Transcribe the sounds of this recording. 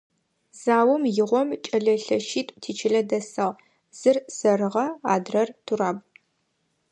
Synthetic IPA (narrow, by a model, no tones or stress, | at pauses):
z̥aːwɔmjɪʁʷɔmt͡ʃʼɐɮɐɬɐʃiːtʼʷtʰiːt͡ʃʰɪɮɐdɐsɐʁ | z̥ɨrsɐɾɨʁɐa̰ːdrɐrtʰuraːb̚